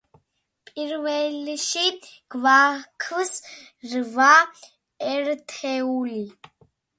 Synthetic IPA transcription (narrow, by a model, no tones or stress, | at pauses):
pʼiɾvɛlʃiɡ̥vaːkʰəs | rva | ɛɾt̪ʰɛuli